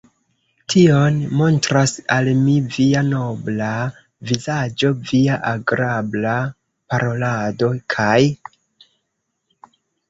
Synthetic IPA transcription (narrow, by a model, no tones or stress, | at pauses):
tʰio̞nmo̞ntɾasalmiviano̞bla | vizad͡ʒo̞viaʔaɡɾabla | paɾo̞lado̞kʰaj